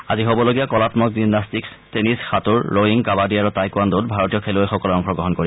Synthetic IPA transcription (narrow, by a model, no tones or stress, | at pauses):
aziɦobɔloɡijakɔlatmɔk̚zinastiks | tenisxatuɹːoiŋkabadiaɹutajkuandot̚bʱaɹotijɔkʰelojxɔkɔloɔŋxɔɡɹɔɦɔnkoɹi